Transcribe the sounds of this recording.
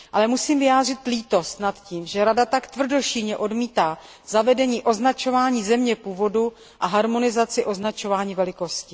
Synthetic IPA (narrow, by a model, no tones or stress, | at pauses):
ʔalɛmusiːmvɪjaːd̪r̝ɪt̪liːt̪o̞st̪nat̪ciːmʒɛɾadat̪akt̪vr̩do̞ʃilɲɛʔo̞dmiːt̪aː | zavɛdɛɲiːʔo̞znat͡ʃo̞vaːɲiːzɛmɲɛpuːvo̞du | ʔaɦaɾmo̞nɪzat͡sɪʔo̞znat͡ʃo̞vaːɲiːvɛlɪko̞scɪ